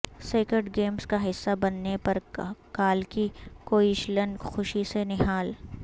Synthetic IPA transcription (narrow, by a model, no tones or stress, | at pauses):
seːkɪɖɡeːmskaɦɪsːabɐnːepɐɾkaːlkikoːiʃlənxʊʃisenɪɦaːl